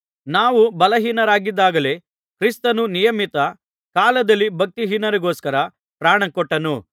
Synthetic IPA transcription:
naːʋubɐlɐɦiːnɐɾaːɡid̪ːaːɡɐle̞ | kɾist̪ɐnunijɐmit̪ɐ | kaːlɐd̪ɐlːibʱɐk̚t̪iɦiːnɐɾuɡoːskɐɾɐ | pɾaːɳɐkɔʈːɐnu

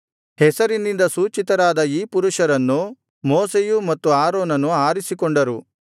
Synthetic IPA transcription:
hɛsɐɾinːind̪ɐsuːt͡ʃit̪ɐɾaːd̪ɐiːpuɾuʂɐɾɐnːu | moːsejumɐt̪ːuaːɾoːnɐnuaːɾisikoɳɖɐɾu

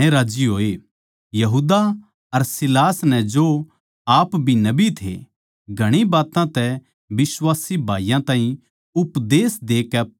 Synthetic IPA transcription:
ẽɾaːd͡ʒiɦoːe | jɐɦuːd̪a | ɐɾsɪlaːsnɛd͡ʒo | aːpbʱinɐbit̪ʰḛ | ɡʱɐɽ̃ibaːt̪ãt̪ɛ | bɪswaːsibʱaːijãt̪ãːɦĩ | ʊpd̪eːsd̪eːkɛ

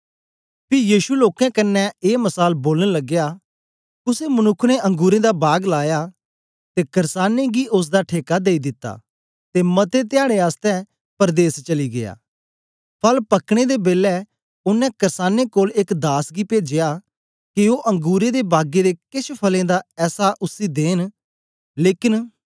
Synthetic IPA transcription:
pɪjiːʃuloːkɛ̃kɐnːɛeːmɐsaːlboːlənlɐɡːejaː | ʊsemɐnʊkʰːneʔɐ̃ŋɡuːɾẽd̪abaːɡlaːja | t̪ekɐɾsaːneɡiʔʊs̬d̪aʈʰeːkad̪eːid̪ɪt̪ːa̰ː | t̪emɐt̪et̪ɪjaːɽ̃eaːst̪ɛ̃ | pəɾd̪eːst͡ʃɐliɡeja̰ː | pʰɐlpɐkɽ̃ed̪ebeːlɛ | ʊnːɛ̃kɐɾsaːnekoːlɪkd̪aːsɡipeːd͡ʒɪjaː | kioːʔɐ̃ŋɡuːɾed̪ebaːɡed̪ekɪʃpʰɐlẽd̪aɛːsaʔʊsːid̪eːn | leːkɪn

